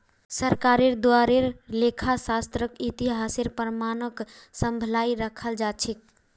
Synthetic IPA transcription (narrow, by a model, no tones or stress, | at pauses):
səɾkaɾeɾd̪owaɾeɾlekʰasast̪ɾəkit̪iɦaseɾpəɾmanək | səmbʱəlaiɾəkʰəld͡ʒat͡ʃʰik̚